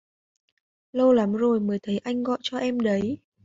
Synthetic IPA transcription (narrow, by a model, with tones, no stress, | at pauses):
lə˧wla˨˦mzo˨˩jməː˨˦jt̪ʰə˨˦jʔa˧jŋ̟ɣɔ̰˧˨jt͡ɕɔ˧ʔɛ˧mɗə˨˦j